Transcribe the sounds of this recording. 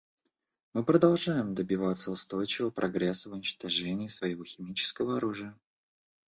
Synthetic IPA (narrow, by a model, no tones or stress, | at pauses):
mɨpɾəd̪ɐlˠʐajɪmd̪əbʲɪvat̪sːəʊst̪o̞jt͡ɕɪvəpɾʔɐɡɾʲɛsəvʊnʲɪt͡ɕt̪ɐʐɛnʲɪːsvəjɪvo̞xʲɪmʲit͡ɕɪ̥skəvəɐɾuʐɨjə